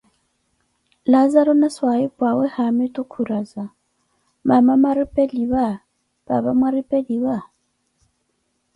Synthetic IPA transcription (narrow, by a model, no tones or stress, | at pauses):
lazaɾɔnɛswaipʼwawɛhamɪtʼukʰuɾaza | mamamaɾipʼɛliwa | ba̰βamwaɾipʼɛliwa